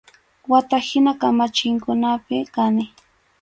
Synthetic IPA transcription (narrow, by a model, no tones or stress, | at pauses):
wat̪ahɪnakamat͡ʃɪŋkʊnapɪkanɪ